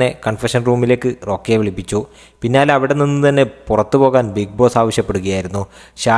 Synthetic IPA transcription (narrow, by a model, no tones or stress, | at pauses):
e̞kɐɳfɐʂɐnruːmile̞ːkːɨro̞ːkːeʋiɭipːit͡ɕːu | pinːaːlɐʋiɽe̞ninːɨt̪ɐnːe̞purɐt̪ːɨpo̞ːɣaːnbik̚bo̞ːsaːʋɐɕjɐpːe̞ɽuɣɐjaːjiɾunːu | ɕaː